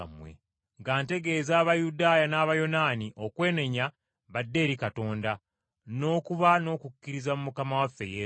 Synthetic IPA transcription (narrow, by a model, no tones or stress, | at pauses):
mwḛ | ŋɡaːnte̞ɡe̞ːzaːβajudaːjanaːβajo̞naːniʔo̞kwe̞ːne̞ɲa | βadːe̞ːɾikato̞ːnda | no̞ːkuβano̞ːkukːiɾizamumukamawafːe̞̰je